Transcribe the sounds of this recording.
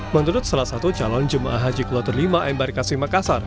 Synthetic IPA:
mənd̪uɾʊt̪̚salahsat̪ut͡ʃalɔnd͡ʒəmaʔaɦad͡ʒikluat̪ərlimaʔɛmbaɾkasimakasar

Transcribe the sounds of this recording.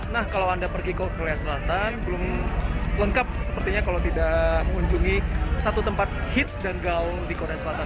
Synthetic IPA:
nahkalawandapərɡikokoɾeasəlat̪anbəlʊmləŋkap̚səpərt̪iɲakalawt̪idaʔməŋuɲd͡ʒuŋisat̪ut̪əmpat̪̚hɪt̪̚sdanɡaʊndikoɾeasəlat̪a

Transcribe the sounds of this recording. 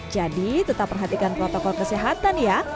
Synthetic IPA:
d͡ʒadit̪ət̪apːərɦat̪ikanpɾɔt̪ɔkɔlkəseɦat̪anja

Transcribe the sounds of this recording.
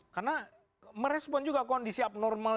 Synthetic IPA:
karna | məɾɛspɔnd͡ʒuɡakɔndisiap̚nɔrma

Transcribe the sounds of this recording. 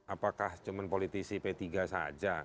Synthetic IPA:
ʔapakaht͡ʃumanpolit̪isipet̪iɡasa̰d͡ʒa

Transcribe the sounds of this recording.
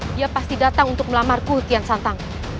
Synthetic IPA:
diapast̪idat̪aŋunt̪ʊk̚məlamarkuhək̪iansant̪aŋ

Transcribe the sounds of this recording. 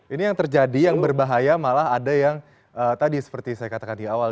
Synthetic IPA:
ʔinijaŋt̪ərd͡ʒadijaŋbərbaɦajamalaɦadajaŋ | ʔəːt̪adisə̥pərt̪isajakat̪akandiawal

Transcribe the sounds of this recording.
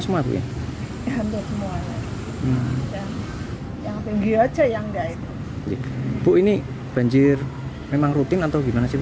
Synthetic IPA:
səmuapṵʔḭni | ant̪esəmuaɲa | d͡ʒan | jaŋpiŋɡiḁd͡ʒ̥ajaŋdait̪̚ | d͡ʒepuʔini | b̥a̤ɲd͡ʒɪr | memaŋrut̪ɪnat̪awɡimanasi

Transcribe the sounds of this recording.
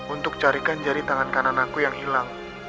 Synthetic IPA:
unt̪ʊk̚t͡ʃaɾikand͡ʒaɾit̪aŋankananakujaŋilaŋ

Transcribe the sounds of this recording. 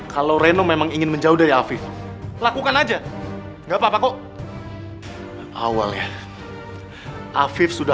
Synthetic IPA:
kalawɾenomemaŋiŋɪnməɲd͡ʒaudajaafɪflakukanad͡ʒa | ŋɡaʔpapako | a̰wa̰lja | ʔafɪfsuda

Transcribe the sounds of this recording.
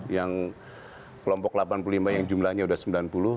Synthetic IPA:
jaŋ | kəlɔmpɔklapanpululimajaŋd͡ʒumlahɲaudahsəmbilanpulu

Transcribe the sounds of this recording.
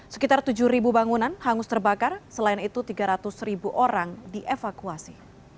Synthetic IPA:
sə̥kit̪art̪ud͡ʒʊhɾibubaŋunanhaŋʊst̪ərbakarsəlaɪnit̪ut̪iɡaɾat̪ʊsribuʔoɾaŋdiʔefakuasi

